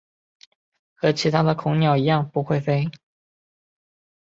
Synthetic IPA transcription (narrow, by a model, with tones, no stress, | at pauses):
xɤ˧˥t͡ɕʰi˧˥t̪ʰa˥d̪ə˨kʰʊ˧˥ŋnjɑ˨˩ʊi˧˥jɑ˥˨ŋpu˧˥xwe˥˩ɪfe˥ɪ